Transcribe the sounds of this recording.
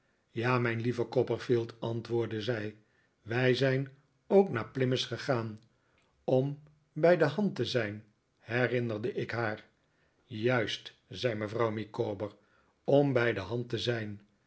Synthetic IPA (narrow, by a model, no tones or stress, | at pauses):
jaːmɛjnlivəkɔpəɹfilˠtɑntʋʊːɹdəzɛj | ʋɛjzɛjn | owknaːɹplɪməsχəχaːn | ɔm | bɛjdəɦɑntəzɛjn | hɛrɪnərdəʔɪkɦaːɹ | jœɥst | z̥ɛjməvrɑwmikoːbəɹ | ɔmbɛjdəɦɑntəzɛjn